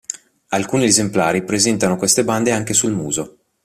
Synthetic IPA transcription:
alkuːniezemplaːɾipɾezɛnt̪anokwest̪eband̪eaŋk̟esulmuːzo

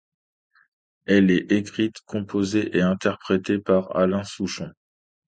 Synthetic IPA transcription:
ɛlɛʔekχit̪kʰɔ̃pʰozeʔeɛ̃t̪ɛʁpχet̪epaʁa̰lɛ̃suʃɔ̃

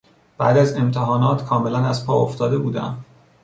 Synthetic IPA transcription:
b̥æ̰ːd̪æze̞mt̪ʰeɦɒːnɒːt̪kʰɒːme̞lænæzpʰɒːoft̪ɒːd̪e̞buːd̪æ̰m

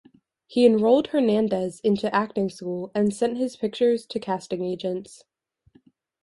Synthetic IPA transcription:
hiɨ̃nɹoʊlˠd̥̚hə˞næ̃ndəzɪ̃ntʉʔæk̚tɪ̃ŋskulˠɨ̃nsɛ̃nʔ̚hɨz̥pʰɪk̚t͡ʃə˞z̥tʰɨkʰæstɪ̃ŋeɪd͡ʒɨ̃nts

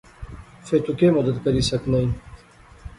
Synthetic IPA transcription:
fet̪ukeːmɐd̪ət̪kɐɾiːsɐknɐi

